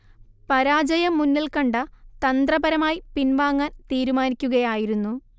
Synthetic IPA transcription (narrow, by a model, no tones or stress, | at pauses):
pɐɾaːd͡ʑɐjɐmːunːilkɐɳɖɐt̪ɐnd̪rɐbɐɾɐmaːjipinʋaːŋːaːnt̪iːɾumaːnikʲːuɣɐjaːjiɾunːu